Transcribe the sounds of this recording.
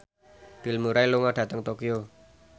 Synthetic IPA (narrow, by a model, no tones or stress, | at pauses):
b̥i̤lmuɾailuŋaɖ̥ä̤t̪əŋt̪okijo